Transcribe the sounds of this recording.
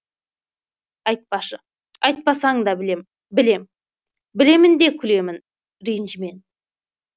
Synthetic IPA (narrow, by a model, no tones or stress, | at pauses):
ɑjt̪̚pɑʃə | ɑjt̪̚pɑsɑəd̪ɑbɪlem | bɪle̞m | bɪle̞mɪnd̪e̞kʲʰʏle̞mɪn | ɾijɪnʒɪme̞n